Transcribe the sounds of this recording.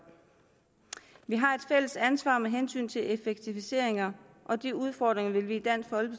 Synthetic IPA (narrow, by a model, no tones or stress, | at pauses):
ʋiɦɑ̈e̝d̥fel̰əsænsʋɑ̰̈ːmeɦensy̰ːnt͡sʰe̝le̝feɡ̥̚t͡sʰifise̝̰ɐe̝ŋɐ | ʔɒ̽d̥iuð̞ˠfɒ̰ːd̥ʁeŋɐʋe̝lʋiːd̥æn̰fɒ̽lb̥ə